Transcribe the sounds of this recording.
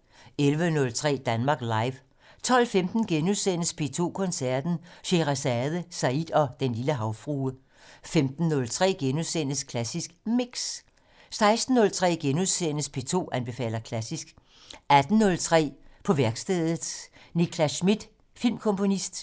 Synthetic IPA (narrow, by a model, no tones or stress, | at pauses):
elʋənɔ̽lt͡sʰʁɛ̰ːd̥ænmɑ̈ːɡ̥lɑ̈ɪʋ | t͡sʰɒ̽l̰femd̥n̩ɡ̥enuðˠsen̰əspʰe̝ːt͡sʰo̝̰ːkʰɔ̽nsæɐd̥n̩ɕe̝ʁæsæðˠəsæid̥ɒ̽d̥enliləɦɑ̈ʊfʁuː | femd̥n̩ːɔ̽lt͡sʰʁɛ̰ːɡ̥enuðˠsenəskʰlæsisɡ̥miɡ̥s | sɑ̈ɪsd̥n̩ːɔ̽lt͡sʰʁɛ̰ːɡ̥enuðˠsenəspʰe̝ːt͡sʰo̝̰ːʔænb̥e̝fɛ̰ːlɐkʰlæsisɡ̥ | æd̥n̩ːɔ̽lt͡sʰʁɛ̰ːpʰɒ̽ʋæɐɡ̥sd̥eðˠð̩ˠnikʰlæsmid̥ | filmkʰɔ̽mpʰo̝nisd̥